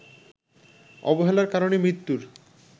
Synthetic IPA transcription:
ɔ̰boɦelaɾkaɾonemɾit̪ːuɾ

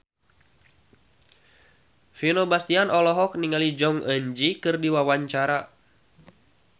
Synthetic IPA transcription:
finobast̪ianʔɔlɔɦɔk̚niŋalid͡ʒɔŋʔəɲd͡ʒikɨrdiwawaɲt͡ʃaɾa

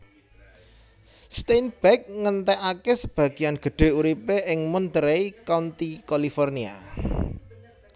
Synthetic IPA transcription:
st̪enb̥ɛk̚ŋənt̪ɛʔakesəb̥ä̤ɡ̥i̤janɡ̥ə̤ɖ̪̥e̤uɾipeɪŋmɔnt̪əɾeikant̪ikalifɔrnia̰

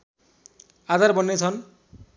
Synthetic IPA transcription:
adaɾbɔnːet͡ɕʰɔn

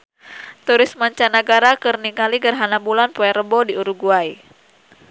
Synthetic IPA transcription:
t̪uɾɪsmaɲt͡ʃanaɡaɾakɨrniŋaliɡərɦanambulanpɔɛɾəbɔdiuɾuɡuaj

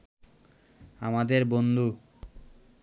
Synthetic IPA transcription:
amad̪eɾbond̪ʱu

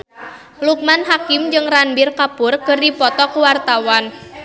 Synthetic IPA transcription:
luk̚manɦakɪmd͡ʒɨŋranbɪrkapʊrkɨrdipɔt̪ɔkuwart̪awan

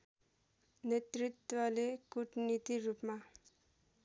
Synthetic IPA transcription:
net̪ɾit̪ːwʌlekuʈnit̪iɾupma

